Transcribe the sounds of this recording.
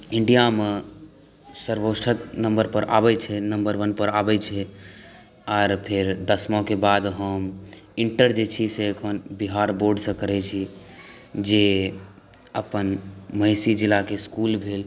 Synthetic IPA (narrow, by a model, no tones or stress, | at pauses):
iɳɖijame | səɾbosʈʰət̪̚nəmbəɾpəɾʔa̰bɛt͡ʃʰɛnəmbəɾʋənpəɾabɛt͡ʃʰɛ | aɾpʰeɾd̪əsmɔ̃kebad̪ɦəmiɳʈəɾd͡ʒet͡ʃʰisekʰənbiɦaɾboɾɖsə̃kəɾɛt͡ʃʰi | d͡ʒe | əpənməɪsid͡ʒilakeskulbʱel